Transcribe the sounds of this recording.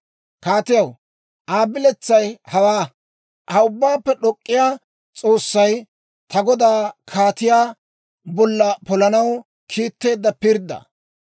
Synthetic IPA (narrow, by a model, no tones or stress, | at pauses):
kaːt̪ɪjɐw | ʔaːbɪlɛt͡sːɐjhɐwaː | hɐʊbːaːpːɛɗɔkʼːɪjaː | t͡sʼo̞ːsːɐj | t̪ɐɡɔd̪aːkʰaːt̪ɪjaː | bɔlːɐpɔlɐnɐw | kʰiːt̪ːe̞ːd̪ːɐpɪɾd̪ɐ̰